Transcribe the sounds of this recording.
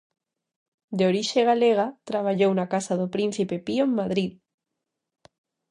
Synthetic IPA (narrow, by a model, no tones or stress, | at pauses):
d̪eoɾiʃeɣ̞aleɣ̞at̪ɾaβ̞aʎownakasaðopɾin̟θipepioŋmːaðɾið